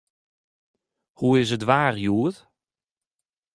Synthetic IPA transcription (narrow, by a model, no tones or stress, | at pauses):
huɪsətvaːrjuːð